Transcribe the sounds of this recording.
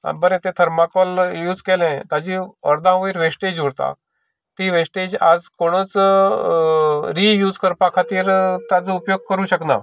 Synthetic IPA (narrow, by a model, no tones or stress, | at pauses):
a̰bəɾẽt̪ẽt̪ʰəɾmakɔljuːd͡zkelɛ̃t̪ad͡ʑiəɾd̪ãʋəiɾʋesʈed͡ʑuɽt̪a̰ | t̪iːʋesʈed͡ʑa̰d͡zkoɽ̃ət͡s | ɾiːjuːd͡zkəɾpakʰat̪iːɾt̪jat͡səupjoɡ̚kəɾũːɕəkna̰